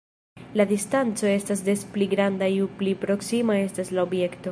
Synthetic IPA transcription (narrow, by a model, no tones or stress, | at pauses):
ladistant͡so̞e̞stas̬despliɡɾandajuplipɾo̞ksimae̞staslaobje̞kto̞